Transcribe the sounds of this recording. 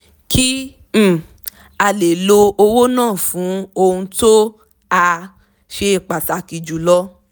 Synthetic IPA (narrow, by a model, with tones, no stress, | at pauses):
kʰĩ˦˨ | a˧le˨lo˧o˧wo˦nãː˦˨fũ˨˦o˧hũ˧to˦ | a˧ | ʃe˧˨k͡pa˨ta˧ki˧d͡ʒu˨lɔ˦